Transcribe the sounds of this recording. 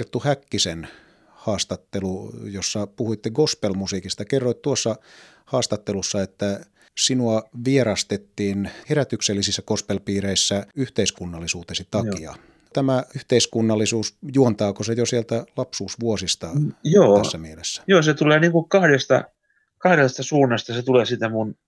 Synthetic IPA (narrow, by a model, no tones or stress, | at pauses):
rt̪ːuhækːisen | hɑːst̪ɑt̪ːelujosːɑpuhuit̪ːeɡospelmusiːkist̪ɑkerːoit̪t̪uosːɑ | hɑːst̪ɑt̪ːelusːɑet̪ːæ | sinuɑʋierɑst̪et̪ːiːnheræt̪ykselːisisːækospelpiːreisːæyht̪eiskunːɑlːisuːt̪esit̪ɑkiɑ̰ | t̪æmæyht̪eiskunːɑlːisuːsjuont̪ɑːkosejosielt̪ælɑpsuːsʋuosist̪ɑjoːæssːæmielesːæ̥joːset̪uleːniːŋkukɑhdest̪ɑ̰ | kɑhɾest̪ɑsuːnːɑst̪ɑset̪uleːsit̪æmun